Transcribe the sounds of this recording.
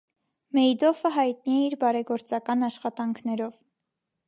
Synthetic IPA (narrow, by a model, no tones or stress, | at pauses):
mɛjd̪ɔfəɦɑjt̪̚niɛiɾbɑɾɛɡɔɾt͡sɑkɑnɑʃχɑt̪ɑŋkʰnɛɾɔv